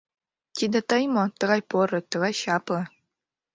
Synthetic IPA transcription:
t̪ʲid̪ĕt̪ɤjmot̪ɤ̆ʁɑjpoɾɤ̆t̪ɤ̆ɣɑjɕɑpɤ̆

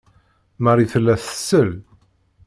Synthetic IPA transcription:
məɾiθəlːæθə̥sːəl

